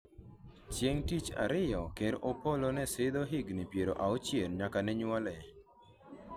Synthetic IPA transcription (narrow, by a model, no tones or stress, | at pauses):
t͡ʃjeŋtit͡ʃa̰ɾɪjɔkeɾɔpɔlonɛsɪd̪oɦiɡnipjeɾo̰ʔaot͡ʃjenɲakanɛɲwɔlɛ